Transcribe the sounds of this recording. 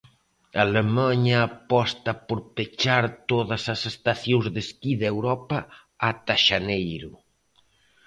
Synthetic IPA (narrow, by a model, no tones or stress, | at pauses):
alemaɲɐːpɔst̪ɐpoɾpet͡ʃaɾt̪oðɐsɐsest̪aθjõzðeskiðewɾɔpɐː | t̪aʃanejɾʊ